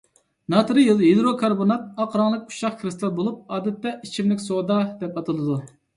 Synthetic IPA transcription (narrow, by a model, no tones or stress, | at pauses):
nɑt̪ɾɨjɨlˠɦed̪ɾokʰɑɾbonɑt̪̚ɑqɾɑŋlˠək̚ʲu̥ʃɑχkɾɨst̪ɑlˠbolˠup̚ɑːd̪ɛt̪ːɛit͡ʃʰimlɪkʲsod̪ɑd̪ɛpɑt̪ʰɨlˠɨd̪u